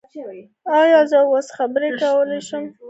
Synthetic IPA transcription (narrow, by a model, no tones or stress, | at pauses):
ɑjɑzəwosxabəɾekawəlajʃəm